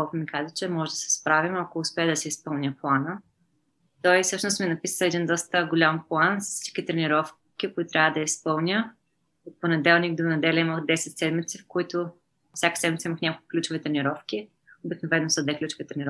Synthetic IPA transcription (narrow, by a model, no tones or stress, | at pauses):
kɔlˠkʊmikazət͡ʃɛmɔʒɛd̪ɐsɛ̥spɾavimɐkoːspɛəd̪ɐsɛispɤlˠnʲəplˠanə | t̪ɔisɤʃnʊst̪minɐpisɛd̪ind̪ɔst̪əɡʊlʲamplˠanfssi̥t͡ʃkʲit̪ɾɛniɾɔf | kʲikʊit̪ʊt̪ɾʲavəd̪ɐispɤlˠnʲə | ot̪̚ponɛd̪ɛlˠniɡd̪onɐd̪ɛlʲɛiməxd̪ɛsɛt̪sɛd̪mit̪sifkʊit̪ʊ | fsʲjakə̥sɛd̪mʲit̪səiməxnʲakolˠku̥klʲut͡ʃʊvit̪ɾɛnʲiɾɔfkʲi | obiknovɛnːosəd̪vɛklʲut͡ʃʊvit̪ɾɛnʲiɾɔ